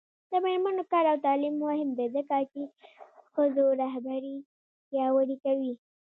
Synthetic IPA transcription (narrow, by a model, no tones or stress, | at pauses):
d̪̥əmeɾmanokɑɾawt̪ɑlimːohɪmbed̪əkɑkixəzoɾaɦbaɾi | tjɑwəɽikawi